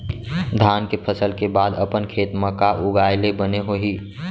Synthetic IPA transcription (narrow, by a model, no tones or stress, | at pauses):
d̪ʱaːnkepʰəsəlkebaːd̪əpənkʰeːt̪məkaʔʊɡaːɪlebəneɦoɦiː